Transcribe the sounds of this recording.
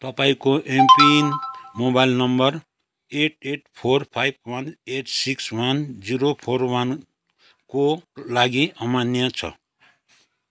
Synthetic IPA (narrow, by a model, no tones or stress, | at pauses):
t̪ʌpaĩkoʔempinmobajlnʌmbʌr | eʈeʈpʰorpʰajb̚ʱwʌneʈsikswʌnd͡ziɾopʰorwan | kolaɡiʔʌmanjat͡sʰʌ̰